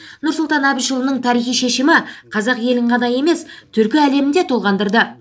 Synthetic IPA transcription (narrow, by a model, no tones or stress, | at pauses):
nʊɾsʊlˠt̪ɑnɑbijʃəlˠənəɴt̪ʰɑɾijχijʃe̞ʃɪmɪqʰɑzɑqje̞lɪɴqʰɑnɑje̞me̞st̪ʰʏɾkʲɪæle̞mɪnd̪e̞t̪ʰo̞lˠʁɑnd̪əɾd̪ə